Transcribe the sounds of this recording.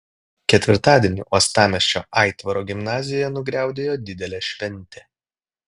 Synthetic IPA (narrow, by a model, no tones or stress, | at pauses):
kʲɛt̪ʲʋʲɪɾt̪ɑːd̪ʲeɛnʲʊ̰ʔɔst̪ɑːmʲɛsʲt͡ʃʲo̰ːʔɑˑɪt̪ʋɐɾoːɡʲɪmnɑːzʲɪjɔjɛnʊɡɾʲæˑʊd̪ʲeːjoːd̪ʲɪd̪ʲɛlʲɛʃʲʋʲɛnʲˑt̪ʲe